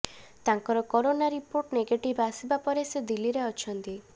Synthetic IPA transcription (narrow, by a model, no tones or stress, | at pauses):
t̪aŋkɔɾɔkɔɾonaɾipoɾʈneɡeʈibʱasibapɔɾesed̪iliɾeɔt͡ʃʰɔnt̪i